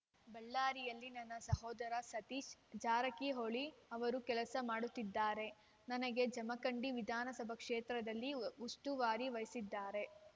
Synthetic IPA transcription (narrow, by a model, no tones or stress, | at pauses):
bɐɭːaːɾijɐlːinɐnːɐsɐɦoːd̪ɐɾɐsɐt̪iːʃd͡ʒaːɾɐkiɦoɭiɐʋɐɾukɛlɐsɐmaːɽut̪ːid̪ːaːɾe̞ | nɐnɐɡe̞d͡ʒɐmɐkɐɳɖiʋid̪ʱaːnɐsɐbʱɐkʂeːt̪ɾɐd̪ɐlːiusʈuʋaːɾiʋɐjisid̪ːaːɾe̞